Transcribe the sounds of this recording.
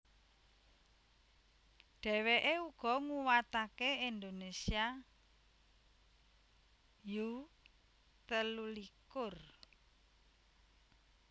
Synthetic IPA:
ɖ̥ɛ̤weʔeuɡ̥ɔ̤ŋuwat̪akeind̪onesia | ju | t̪əlulikʊr

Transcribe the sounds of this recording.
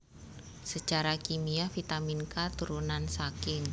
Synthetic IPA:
sət͡ʃaɾakimiafit̪aminkat̪uɾunansakɪŋ

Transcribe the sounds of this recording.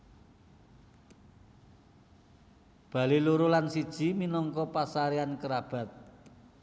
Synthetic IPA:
b̥a̤liluɾulansid̥ʒ̥i̤minɔŋkɔpasaɾiankəɾab̥a̤t̪̚

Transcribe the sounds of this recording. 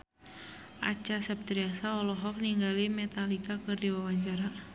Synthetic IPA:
ʔa̰t͡ʃasɛp̚t̪ɾiasaɔlɔɦɔk̚niŋɡalimɛt̪alikakɨrdiwawaɲt͡ʃaɾa

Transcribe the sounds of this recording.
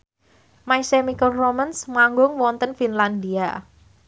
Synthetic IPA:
maisemikəlromənsmaŋɡʊŋwɔnt̪ənfinland̪ia

